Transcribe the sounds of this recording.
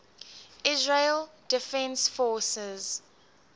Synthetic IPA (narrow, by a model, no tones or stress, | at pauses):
ɪzɹeld̥ɪfɛ̃nsfɔsɛz